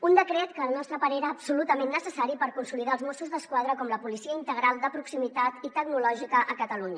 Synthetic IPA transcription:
und̪əkɾɛt̪kəːlˠnɔst̪ɾəpaɾeɾəːbsulut̪əmẽnːəsəsaɾipəɾkunsuliðaəlˠzmɔsuzd̪əskwað̞ɾəkɔmləpulisiəint̪əɣɾalˠd̪əpɾuksimit̪at̪it̪əɡnulɔʒikəʔəkət̪əluɲə

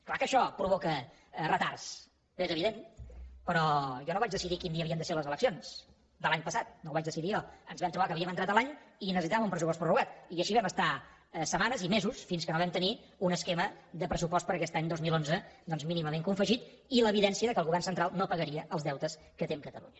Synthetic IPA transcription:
klakəʃɔpɾuβ̞ɔkə | rət̪ars | ezəβ̞iðenpəɾɔʒɔnoβad͡ʒðəsiðikind̪iəβiəmnd̪əseləzələksions | d̪əlˠaɲpəsat̪̚noβad͡ʒðəsiðijɔənzβɛmt̪ɾuβakəβiəmənt̪ɾat̪əlˠaɲinəsit̪aəmumpɾəsupɔstpɾuruɣat̪iəʃiβɛməst̪a | səmanəzimezusfinskənoβɛmt̪əni | unəskɛməðəpɾəs̬upɔst̪pəɾəkɛst̪aɲd̪ozmilˠonzəd̪ɔnzminiməmeŋkuɱfəʒit̪ | iləβiðɛnsiəðəkəlˠɣuβɛrnsənt̪ɾalˠnopəɣəɾiəʔəlˠzðɛwt̪əs | kət̪emkət̪əlṵɲə

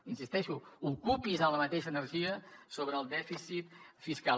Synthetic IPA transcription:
insist̪ɛʃuukupizələmət̪eʃəːnəɾʒiəsoβɾəːlˠd̪ɛfisit̪fiska

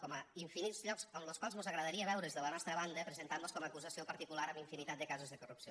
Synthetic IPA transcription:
kɔməiɱfinit̪zʎɔksəmləlˠskwalˠzmuzəɣɾəðəɾiəβɛwɾezðələnɔst̪ɾəβand̪əpɾəzent̪amboskɔməːkuzəsiopəɾt̪ikulaɾəmiɱfinit̪at̪d̪əkazəzðəkurupsio

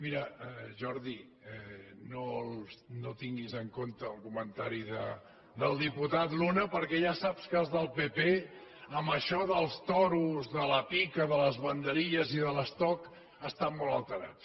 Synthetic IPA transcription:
miɾəəʒɔɾði | ɛnolnot̪iŋɡizəŋkont̪əːlˠkumənt̪aɾiðə | d̪əlˠd̪iput̪at̪lunəpəɾkɛʒasapskəlˠzðəlˠpepe | əmbəʃɔðəlˠst̪ɔɾuzðələpikəðələzβənd̪əɾiʎəziðələst̪ɔk | əst̪ammɔləlˠt̪əɾa̰tt͡s

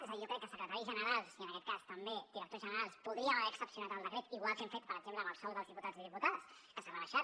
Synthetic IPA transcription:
zəijokɾɛkːəsəkɾət̪aɾizʒənəɾalˠsiənəkɛt̪̚kast̪əmbed̪iɾək̚t̪ozʒənəɾalˠspuðɾiəβɛɾəksəpsiunat̪əlˠd̪əkɾet̪iɣwalˠseɱfet̪̚pəɾəɡd͡ʒempləməlsɔlˠðəlˠzðiput̪add͡zðiðiput̪aðəs | kəsəβəɾəʃa

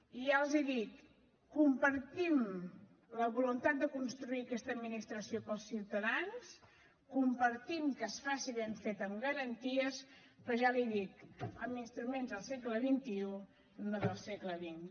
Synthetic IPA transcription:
ialˠzeðit̪ | kːumpəɾt̪im | ləβulunt̪at̪̚d̪əkunst̪ɾuiəkɛst̪əːd̪minist̪ɾəsiopəlˠsːiwt̪əðans | kumpəɾt̪imkəsfasiβeɱfet̪əmɡəɾənt̪iəs | pɾəʒaliðikəminst̪ɾumenzðəlˠsɛkləβint̪iu | noðəlˠsɛkləβin

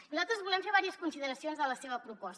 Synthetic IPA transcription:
nuzalˠt̪ɾəzβulɛmfeɾβ̞aɾiəskunsiðəɾəsionzðələseβəpɾupɔs

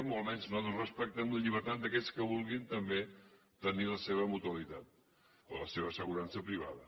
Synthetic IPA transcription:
molˠmɛnznoðorəspək̚t̪əmləʎiβəɾt̪at̪̚d̪əkɛskəβ̞ulˠɣint̪əmbe | t̪əniləseβ̞əmut̪uəlit̪at̪̚ | o̰ləseβ̞əsəɣuɾansəpɾiβ̞a̰ðə

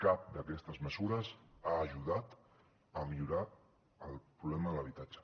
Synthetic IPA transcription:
kap̚d̪əkɛst̪əzməzuɾəzaːʒuðat̪ | əmiʎuɾa | əlˠpɾuβlɛməðələβ̞it̪ad͡ʒə̥

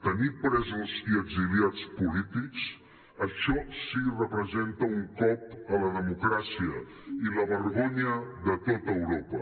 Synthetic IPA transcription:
t̪ənipɾɛzuziəɡziliat͡spulit̪iks | əʃɔsirəpɾəzent̪əuŋkɔp̚ələðəmukɾasiə̰ | iləβəɾɣ̞oɲəðət̪ot̪əːwɾopə

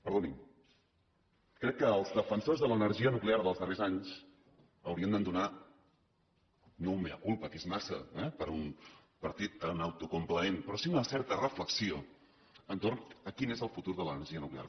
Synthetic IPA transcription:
pəɾðonim | kɾɛkːəːlˠzðəfənsozðələnəɾʒiənukleaɾðəlˠzðərezaɲs | əwɾiənd̪ənd̪una | noumeə̰kulˠpəkezmasə̰ɛpəɾun | pəɾt̪it̪̚əunawt̪ukumpləenpɾɔsiunəsɛɾt̪ərəfləksio | ənt̪ornəkinezəlˠfut̪uɾðələnəɾʒiənuklea̰ɾ

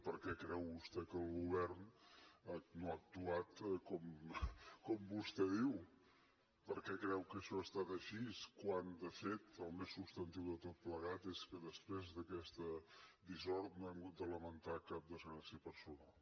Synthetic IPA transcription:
pəɾkɛkɾɛwβust̪ɛkəlˠɣuβ̞ɛɾn | noak̚t̪uat̪kɔm | kɔmbust̪ɛðiw | pəɾkɛkɾɛwkəʃɔəst̪at̪əʃiskwand̪əfet̪əlˠmesːupst̪ənt̪iwðət̪ot̪̚pləɣat̪eskəðəspɾezðəkɛst̪əd̪izɔɾt̪noɛmɡud̪ələmənt̪akap̚d̪əzɣɾasiəpəɾsunalˠ

